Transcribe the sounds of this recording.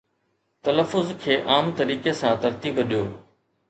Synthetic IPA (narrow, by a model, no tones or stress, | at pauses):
t̪ɐləfːʊzkʰeːʔaːmt̪ɐɾiːkesãːt̪ɐɾt̪iːbɗijoː